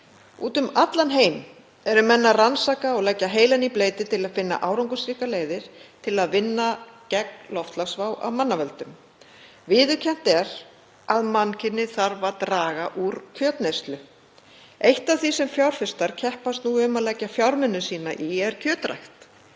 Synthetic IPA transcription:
ṵːt̪ʏmat̪lanɦeːjm | ɛɾʏmɛnːaransaːkaɔɣlɛcːaɦeːjlanipleːjt̪ɪt̪ʰɪlaðfɪnːa̰ʔaːwɾawŋkʏsɾiːhkaleːjðɪɾ̥t̪ʰɪlaðvɪnːacɛklɔft̪lasvaːwʔa̰wmanːavɛlt̪ʏm | vɪːðʏcʰɛm̥t̪ɛɾ̥ | aðmancʰɪnːɪθaɾvaɾt̪ɾaːɣaʔuɾcʰœːt̪nest̪lʏ | ejht̪avθisɛmfjawɾ̥fɪst̪aɾ̥cʰɛhpast̪nuʏmaðlɛcːafjawɾmʏnːʏsiːnaʔiɛɾ̥cʰœːt̪ɾa̰jxt̪

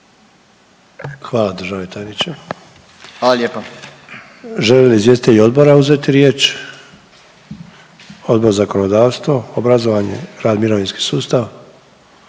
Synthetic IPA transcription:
xʋaːlˠad̪ər̩ʒaʋet̪ʰajnit͡ɕem | aːlaljeːpa | ʒelelizʋjest̪it̪eʎo̞d̪bo̞ɾauze̞t̪iɾje̞ːt͡ʃ | o̞d̪bo̞ɾzakono̞d̪aːʋst̪ʋoobɾazo̞ʋaɲḛɾaːd̪miɾoʋinski̥suːst̪aʋ

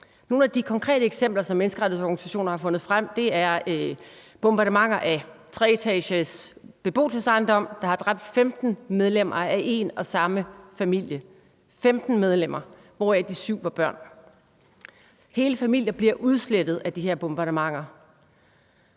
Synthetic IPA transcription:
no̝ːnæd̥ikʰɒ̽ŋkʰʁɛ̰ːdɾəeɡ̥sem̰b̥lɐsɒ̽mːenəsɡ̥əʁḁ̈ið̩ˠsɒːɡnisæɕo̝̰ːnɐhɑ̈fɔ̽nð̩ˠfʁam̰d̥e̝æɐ | b̥omb̥ɑ̈ɾəmɑ̈ŋ̰ɐʔæt͡sʰʁɛt͡sʰɛɕəsb̥e̝b̥o̝̰ːlsəsɑ̈ɪnd̥ɒ̽m̰d̥ɑ̈hɑ̈d̥ʁɑ̈b̥̚d̥femd̥n̩með̞ˠlem̰ʔɐæʔe̝nɒ̽sɑ̈məfæmil̰jə | femd̥n̩með̞ˠlem̰ɐ | ʋɒæd̥isyʊ̰ʋɑ̈b̥ɶɐ̰n | he̝ːləfæmil̰jɐb̥liɐ̰ʔuð̞ˠsled̥ð̞̩ˠæd̥iheɐ̰b̥omb̥ɑ̈ɾəmɑ̈ŋ̰ɐ

